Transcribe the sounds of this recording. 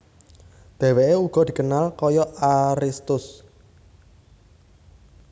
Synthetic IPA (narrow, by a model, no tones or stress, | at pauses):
d̪̥ɛ̤weʔeuɡ̥ɔ̤d̪̥i̤kənalkɔjɔaɾist̪ʊs